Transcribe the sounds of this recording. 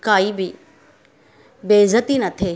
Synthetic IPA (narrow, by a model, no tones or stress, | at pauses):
kaːibɪ | beːzət̪inɐt̪ʰeː